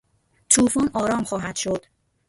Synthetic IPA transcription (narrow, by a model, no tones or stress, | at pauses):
t̪ʰuːfɒːnɒːɾɒːmxɒːɦæd̪̥ʃod̪̥